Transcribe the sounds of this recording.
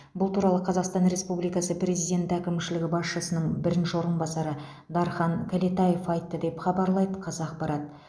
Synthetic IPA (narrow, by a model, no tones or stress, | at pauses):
bʊlˠt̪ʰuɾɑlˠəqʰɑzɑqst̪ɑnɾe̞spublijkɑsəprʲe̞zijdʲe̞nt̪ækʲɪmʃɪlɪɡʲɪbɑsʃəsənəɴbɪɾɪnʃɪwo̞ɾənbɑsɑɾə | d̪ɑɾχɑŋkʲʰalet̪ɑje̞fɑjt̪ːəd̪e̞pχɑbɑɾlˠɑjd̪əqʰɑzɑːqpɑɾɑt̪̚